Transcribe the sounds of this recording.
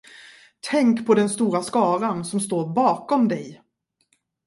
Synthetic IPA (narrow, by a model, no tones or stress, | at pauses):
t̪ʰɛŋkpʰɔd̪ɛnst̪uːɾaskɑːɾansɔmst̪oːɾbɑːkɔmd̪ɛj